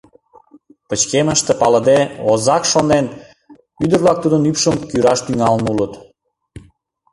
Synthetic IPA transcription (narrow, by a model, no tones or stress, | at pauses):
pət͡ɕkeməʃt̪ĕpɑləd̪eozɑkʃonen | yd̪ərlɑk̚t̪ud̪ə̆nypʃəmkyɾɑʃt̪yŋɑlnulət̪